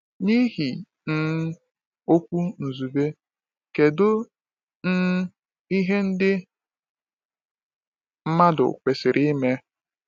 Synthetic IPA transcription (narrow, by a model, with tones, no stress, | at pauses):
ni˦ɦi˨ | n̩˦ | o˦kʷu˦n̩˨zu˨be˦ | ke˨dʊ˦ | n̩˦ | i˦ɦe˦n̩˦dɪ˦ | m̩˦ma˦dʊ̰˨kʷe˨sɪ˨ɾʔi˦me˦